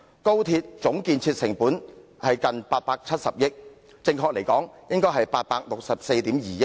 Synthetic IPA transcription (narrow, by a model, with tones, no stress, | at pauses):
ko˥wt̪ʰiː˧t̚t͡sʊ˨˥ŋkiː˧nt͡sʰiː˧t̚sɪ˨˩ŋpuː˨˥nhɐ˨jkɐ˨npaː˧t̚paː˧k̚t͡sʰɐ˥t̚sɐ˨p̚jɪ˥k̚ | t͡sɪ˧ŋkʰɔː˧k̚le˨˩jkɔː˨˥ŋjɪ˥ŋkɔː˥jɦɐ˨jpaː˧t̚paː˧k̚lʊ˨k̚sɐ˨p̚se˧jt̪iː˨˥mjiː˨jɪ˥k̚